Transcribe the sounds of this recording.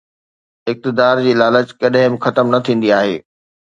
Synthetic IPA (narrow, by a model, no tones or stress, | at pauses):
ɪk̚t̪ɪd̪aːɾd͡ʑiːlaːlət͡ɕkɐɗɦɪ̃mɪxɐt̪əmnɐt̪ʰĩːn̆d̪iaːɦḛː